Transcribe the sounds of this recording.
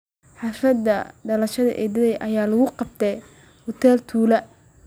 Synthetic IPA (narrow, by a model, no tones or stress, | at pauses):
ħɑfɐd̪ɐɖɐlɐʃɐðɐ̰ʔɛd̪ɐðɛjʔɐjaːlɐɣʊqɑb̚t̪ʰɛj | hʊt̪ʰɛːlt̪ʰuːlɐ